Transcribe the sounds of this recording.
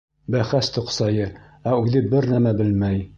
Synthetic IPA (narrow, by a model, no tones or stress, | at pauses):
bæχæst̪ŏqsɑjɤ | æʉðɘbɘɾnæmæbɘlmæj